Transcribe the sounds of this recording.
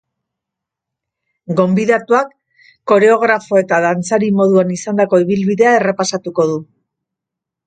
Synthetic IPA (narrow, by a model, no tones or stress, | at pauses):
ɡo̞mbiðat̪uakː | o̞ɾe̞o̞ɣ̞ɾafo̞e̞t̪aðant͡saɾimo̞ðuanisand̪ako̞iβilβiðe̞ae̞repasat̪uko̞ðu